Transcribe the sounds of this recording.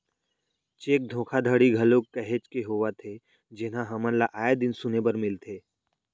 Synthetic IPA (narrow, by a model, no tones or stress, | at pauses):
t͡ʃeːk̚d̪ʱõːkʰad̪ʱəɽiɡʱɐlokːəɦet͡ʃkeɦoːʋat̪ʰe | d͡ʒɪnãɦɐmə̃nlaʔaːed̪ɪnsʊnebəɾmɪlt̪ʰeː